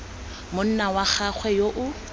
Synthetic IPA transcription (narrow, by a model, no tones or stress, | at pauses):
mʊn̩nawaχaχʰwɛjoʔʊ